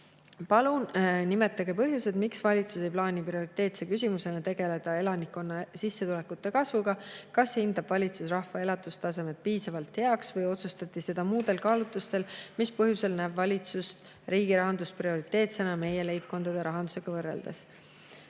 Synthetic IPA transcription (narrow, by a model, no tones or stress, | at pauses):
pɑlunnime̞t̪ːˑɑɡ̥epɤɦjuse̞d̪̥miksvɑlʲit̪susejplɑːniprio̞ɾit̪ˑe̞ːt̪sekys̬ʲimuse̞nɑt̪e̞ɡ̥e̞le̞d̪̥ɑe̞lɑnikːˑo̞nːɑsisːe̞t̪ule̞kːut̪ˑːe̞kɑsvuɡ̥ɑkɑshind̪̥ɑb̥vɑlʲit̪susrɑhvɑe̞lɑt̪ːˑust̪ɑse̞met̪̚piːsɑvɑlt̪he̞ɑksvɤjo̞t̪sust̪ɑt̪ːˑise̞d̪̥ɑmuːd̪̥e̞lkɑːlut̪ːˑust̪e̞lmispɤɦjuse̞lnæːbvɑlʲit̪sust̪ | ɾiːɡ̥iɾɑɦɑnd̪usprio̞ɾit̪ːˑe̞ːt̪senɑme̞je̞le̞jp̚ko̞nd̪̥ɑd̪̥e̞ɾɑɦɑnd̪u̥seɡ̥ɑvɤrːe̞̰ld̪̥es